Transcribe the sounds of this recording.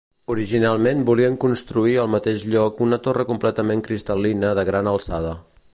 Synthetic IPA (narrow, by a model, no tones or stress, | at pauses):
uɾiʒinalˠmenbuliəŋkunst̪ɾuiəlˠmət̪eʃʎɔkunət̪orəkumplɛt̪əmeŋkɾist̪əlinəðəɣɾanəlˠsað̞ə